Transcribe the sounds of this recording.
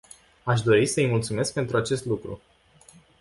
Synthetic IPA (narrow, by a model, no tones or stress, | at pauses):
aʃ̬d̪o̞ɾisəɨjmult̪sume̞sk̚pe̞nt̪ɾuat͡ʃe̞st̪lukɾṵ